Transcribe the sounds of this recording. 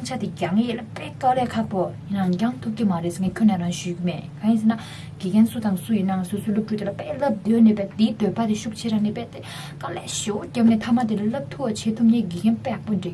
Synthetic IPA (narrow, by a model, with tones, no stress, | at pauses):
a˥ŋt͡ɕʰa˥t̪i˨ca˩˨ŋi˨je˨la˨pɛː˥˨ʔka˥lɛː˥˨kʰa˥ʔpo˩˨ji˩˨na˩˨ŋd͡ʑa˩˥˨ŋt̪ʰu˥p̚ci˨ma˨ɾe˩˨sŋe˩˨cʰø˥˨neː˨a˩˨ŋɕyː˩˨ki˨me˩˨kʰa˨˩˨ji˩˨se˥˨na˨ | ɡ̥iː˩˨kɛ˥nsu˥t̪a˨ŋsu˥˨ji˩˨nːa˨ŋ˨so˥˨sʰø˥˨lo˥p̚ʈ͡ʂʰu˥˨t̪e˨la˨pɛː˥˨ʔlə˥p̚d̪øː˩˨ne˨pɛ˩˨ʔt̪i˩˨t̪ø˩˨pa˨t̪i˨ɕu˥ʔ̚t͡ɕʰe˥ɾa˩˨ŋne˨pɛ˩˨ʔt̪ | ka˥lɛː˥˨ɕe˩˨wo˩˨ca˩˨ne˨t̪ʰa˥ma˨t̪i˩˨la˨lə˥˨p̚t̪ʰu˥wa˨t͡ɕʰeː˩˨t̪ʰu˥ʔ̚ɲeː˥˨ɡi˩˨kɛ˥npɛ˥˩˨po˨ɳɖ͡ʐe˩˨